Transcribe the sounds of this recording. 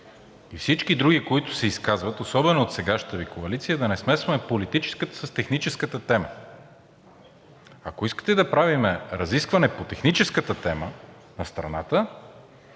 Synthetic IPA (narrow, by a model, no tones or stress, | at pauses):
ifsit͡ʃkid̪ɾuɡikoit̪ʊ̥sɛiskazvɐt̪osɔbɛnoːt̪sɛɡaʃnt̪əvikoɐlit̪sijəd̪ɐnɛsmɛsvɐmɛpolit̪it͡ʃɛ̥skət̪ə̥səst̪ɛxnit͡ʃɛskət̪ət̪ɛmə̰ | akoiskə̥t̪ɛd̪ɐpɾavimɛɾɐziskvɐnɛpot̪ɛxnit͡ʃɛskət̪ət̪ɛmə | nɐst̪ɾɐ̰nat̪ə